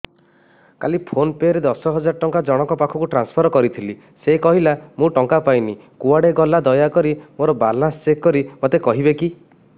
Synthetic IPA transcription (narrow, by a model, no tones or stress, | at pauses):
kalipʰonpeɾed̪ɔsɔɦɔd͡ʒaɾɔʈɔŋkad͡ʒɔɽ̃ɔkɔpakʰɔkuʈɾanspʰɔɾɔkɔɾit̪ʰili | sekɔɦilamũʈɔŋkapajnikuaɽeɡɔlad̪ɔjakɔɾimoɾɔbalãnst͡ʃekkɔɾimot̪ekɔɦibeki